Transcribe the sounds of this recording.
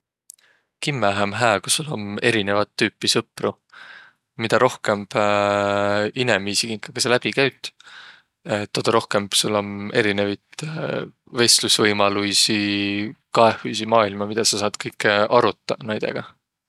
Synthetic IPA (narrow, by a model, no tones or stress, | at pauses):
kimːeɦæmɦæːku̥sːulːo̞̰ne̞ɾine̞vɑt̪ːyːpːisɤpːru | mid̪̥ɑɾo̞hke̞mb̥ | ine̞mːiːsikiŋkːˑɑɡ̥ɑselæb̥ikæjɥt̪ | et̪ːod̪̥ɑɾo̞hke̞mb̥sulːo̞ne̞ɾine̞vit̪ | ve̞slusvɤjmɑlujsi | kɑe̞hujsimɑːilmɑmid̪̥ɑsɑsɑːd̪̥kɤjkːeɑɾut̪ːˑɑnæjd̪̥e̞̰ɡ̥ɑ